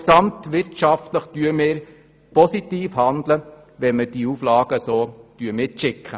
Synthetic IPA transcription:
sɑmt̪ʋɪɾtʃɑftləχd̥yəmɪːɾ | pɔsit̪iːfhɑnd̪lə | ʋɛməd̥iuːflɑːɡ̥əsoːd̥yəmɪːʃɪkχə

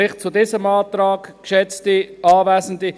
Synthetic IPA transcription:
ɪχt͡sudiːsəmɑːtɾɑːkkʃɛt͡stiʔɑːvæːsən̩di

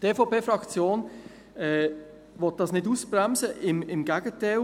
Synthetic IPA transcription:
d̥eːfopeːfɾɑkt͡sjoːn | ɛː | ʋɔt̚d̥ɑsnɪtuːsbɾɛmsəʔɪmɪmɡ̥æɡ̥əte

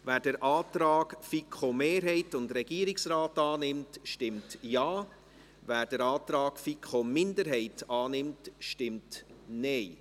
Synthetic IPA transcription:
væːɾd̥əɾʔɑːtɾɑːɡfikʰomeːɾɦɛɪtʊndɾɛɡiːəɾɪksɾaːtɑːnɪmtʃtɪmtjɑː | væːɾd̥əɾɑːt̪ɾɑːɡ̥fikχomɪndəɾɦɛɪtɑːnɪmtʃtɪmtnɛɪ

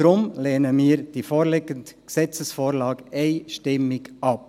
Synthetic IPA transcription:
ɾʊmleːnəmiːəɾd̥ifoːɾlɪɡəndksɛt͡səsfoːɾlɑːɡɛɪʃtɪmːɪɡɑp̚

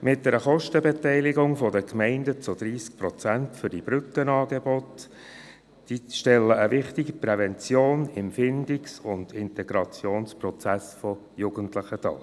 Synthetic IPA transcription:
mɪt̚dɛɾəχɔʃtəbɛtɛɪlɪɡʊŋfɔdəkmɛɪndət͡sʊd̥̪ɾiːsk̚pɾɔt͡sæntfʏɾd̥ib̥ɾʏkənɑːɡebɔt | d̥iʃtɛlːəəʋɪχtɪɡəpɾɛvɛnt͡sjoːnɪmfɪndɪksʊndɪntɛɡ̥ɾɑt͡sjoːnsprɔt͡sæsfɔ | juɡ̥əntləχətɑ̰ː

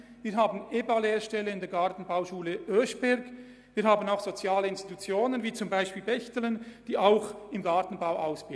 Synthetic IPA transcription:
viːɐɦaːbn̩ʔeːbaleːɾʃtɛləɪndɛɐɡaʁtn̩baʊʃuːləʔøʃb̥ɛɾɡ | viːɐhaːbənaʊxz̥ot͡sjaːləɪnst̪i̥tut͡sjoːnənviːt͡sʊmbaɪʃpiːlbɛçtələnd̥iːʔaʊxɪmɡɑɐtn̩baʊʔaʊsb̥ɪ

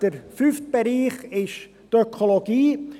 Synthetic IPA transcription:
d̥əɾfyft̚b̥eɾiːχɪʃ | tøkʰoloɡiː

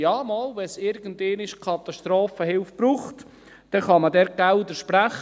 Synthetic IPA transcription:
jɑːmɔːlʋɛsɪɾɡ̥əndeːnɪʃkʰɑt̪ɑʃt̪ɾoːfəhɪlfb̥ɾuːχt | d̥ɛχɑmədɛɾɡ̥ældəʃpɾæχ

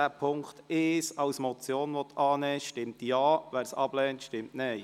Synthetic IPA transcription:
æːpʰʊŋkt̪ɪʃɑwsmɔt͡sjoːnʋɔt̪ʰɑːnɛːʃtɪmtjɑːʋæːɾsɑb̥lɛːntʃtɪmtnɛɪ

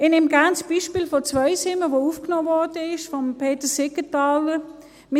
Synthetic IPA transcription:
ɪnɪmɡant͡sb̥iːʃpiːlfot͡svœɪsɪməʋoufknoːvɔʁd̥əɪʃfɔmpʰeːtəsɪkətɑːlə | mɪ

